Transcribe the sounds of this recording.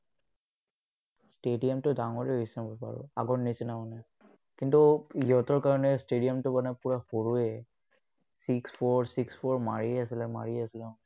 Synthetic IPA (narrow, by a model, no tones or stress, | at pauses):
stedijamtʊdaŋɔɹɛɦɔjsɛbɔpa̰ɹɔ̰a̰ɡɔɹnisinamanɛ | kintuiɦɔtɔɹkaɹɔnɛstedijamtʊmanɛpuɹaxoɹuɛ | sikspʰɔɹsikspʰɔɹma̰ɹiasilɛma̰ɹiasilɛ̃